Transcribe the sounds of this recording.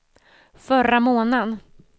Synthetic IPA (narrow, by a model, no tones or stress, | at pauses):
fœɾamoːnən